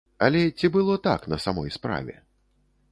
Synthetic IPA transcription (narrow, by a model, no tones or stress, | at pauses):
ɐlʲɛt͡sʲibɨlˠɔt̪a̰knɐsamɔjspɾa̰vʲɛ̰